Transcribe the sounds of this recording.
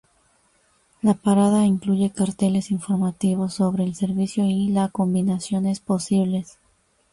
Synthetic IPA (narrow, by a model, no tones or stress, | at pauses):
lapaɾað̞aiŋkluʝe̞kaɾt̪e̞le̞siɱfo̞ɾmat̪iβ̞o̞sːo̞βɾe̞ːlse̞ɾβisjo̞ilako̞mbinasjo̞ne̞spo̞siβ̞le̞s